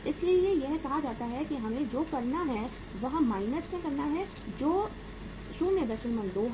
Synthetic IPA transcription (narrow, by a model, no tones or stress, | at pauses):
ɪsliiejɛɦkɐɦad͡ʒaːt̪aɦɛkiɦɐmẽd͡ʒoːkɐɾnaɦɛ | ʋɐɦmaːɪnəsmẽkɐɾnaɦɛ | d͡ʒoː | ʃuːmẽd̪ɐʃɪnmɐ̃nd̪oːɦ